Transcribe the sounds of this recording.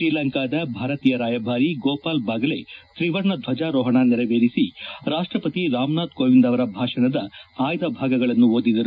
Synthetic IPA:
ʃɾiːlɐŋkaːd̪ɐbʱaːɾɐt̪iːjɐɾaːjɐbʱaːɾiɡoːpaːlbɐɡɐleʃɾiʋɐɾɳɐd̪ʱʋɐd͡ʒaːɾɔːɦɐɳaːniɾɐʋeːɾisiɾaːʂʈɾɐpɐt̪iɾaːmnaːd̪̚koːʋind̪ɐʋɐɾɐbʱaːʂɐɳɐd̪ɐaːjd̪ɐbʱaːɡɐɡɐɭɐnːuoːd̪id̪ɐɾu

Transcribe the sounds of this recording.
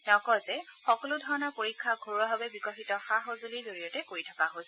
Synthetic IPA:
tɛʊ̃kɔzɛxɔkɔlʊdʱɔɹɔnɔɹpoɹikʰːaɡʱoɹɔbʱabɛbikɔxitɔxaɦɔzolizoɹijɔtɛkoɹitʰakaɦosɛ

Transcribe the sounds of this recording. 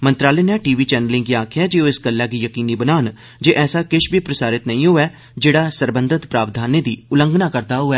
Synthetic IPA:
mənt̪ɾaːleːnɛ̃ːʈiːʋiːt͡ʃɛːnəlɪ̃ŋɡiaːkʰɪjaːd͡ʒeːoːɪsɡəlːaːɡiːjəkiːniːbənaːn | d͡ʒeːʔɛːsaːkɪʃbʱiːpɾəsaːɾɪt̪nəĩːɦoːɛː | d͡ʒeːɽaːsəɾbənd̪ʱət̪pɾaːʋd̪ʱaːneːd̪iːʊləŋɡnaːkəɾd̪aːɦʊɛː

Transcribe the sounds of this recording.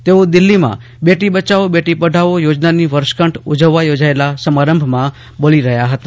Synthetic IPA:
t̪eod̪ɪlːimã̰ | beʈibət͡ʃaobeʈipəɖʱaʋojod͡ʒnaniʋəɾʃkəɳʈud͡ʒəʋːajod͡ʒaelasəmaɾəmbʱmã | boliɾəɦjaɦət̪ḁ

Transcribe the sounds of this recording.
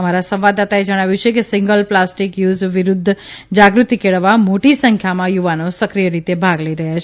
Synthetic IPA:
əmaɾasə̃mʋad̪at̪aed͡ʒəɽ̃aʋjũt͡ʃʰekesĩŋɡəlplasʈikjuzʋɪɾud̪ʱː | d͡ʒaɡɾut̪ikeɭʋamoʈisə̃ŋkʰjamãjuʋanosəkɾijəɾit̪ebʱaɡləiɾəɦjat͡ʃʰ

